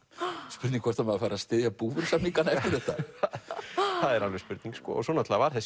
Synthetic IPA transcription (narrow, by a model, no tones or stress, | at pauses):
spʏɾt̪niŋkvɔ̥t̪ʰamɛðafaːɾast̪ɪːðjapuːvʏɾ̥samiŋkanaɛft̪ɪɾ̥θɛht̪ːa | θaðɛɾalvɛspʏɾt̪niŋkskɔ̰sɔnat̪lavaɾ̥θɛs